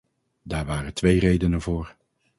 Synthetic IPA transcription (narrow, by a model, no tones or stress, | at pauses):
daːɹʋaːrəntʋejrejdənənvʊːɹ